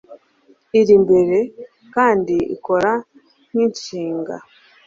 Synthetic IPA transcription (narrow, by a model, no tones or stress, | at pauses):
iɾimbe̞ɾe̞ | kaːndiḭko̞ɾa | nint͡ʃiːŋɡa̰